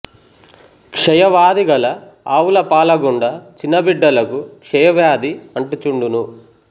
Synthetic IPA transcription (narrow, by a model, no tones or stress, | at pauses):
kʂɛjɐʋaːd̪iɡɐlɐaːwulɐpaːlɐɡuɳɖɐt͡ʃinːɐbiɖːɐlɐkukʂɛjɐʋjaːd̪iɐɳʈut͡ʃuɳɖunu